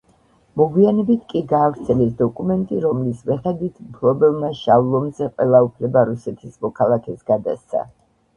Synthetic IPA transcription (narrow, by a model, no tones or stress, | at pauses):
mɔɡwianɛbit̪ʰkʼiɡaːvɾt̪sʰɛlɛsd̪ɔkʼumɛnt̪ʼiɾɔmlismɛχɛd̪it̪ʰmpʰlˠɔbɛlˠmaʃavlˠɔmzɛqʼwɛlˠaupʰlɛbaɾusɛt̪ʰismɔkʰalˠakʰɛsɡad̪a̰st̪sʰa̰